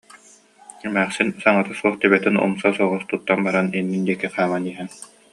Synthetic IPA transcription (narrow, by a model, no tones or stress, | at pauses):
ɛmæːχsinsaŋat̪asuɔχt̪ibɛt̪inṵmsasuɔʁust̪ut̪ːanbaɾaninːind̪iɛkiχaːmaniːɦɛn